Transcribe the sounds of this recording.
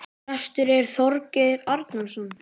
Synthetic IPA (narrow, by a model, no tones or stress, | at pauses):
ɛst̪ʏɾɛɾ̥θɔɾcɪɾaɾt̪namsɔn